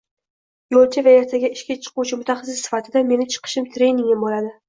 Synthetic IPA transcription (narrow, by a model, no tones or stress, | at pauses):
jolˠt͡ʃʰavajaɾt̪ʰaɡʲaɪʃkʲat͡ʃʰɨ̥qʊwt͡ʃʰɪmʊt̪ʰaχɑs̬ɪsːɪ̥fat̪ʰɪd̪ame̞nɪt͡ʃʰɨ̥qʰɨ̥ʃɪmt̪ʰɾe̞jnɪŋʲɪmbolad̪ɪ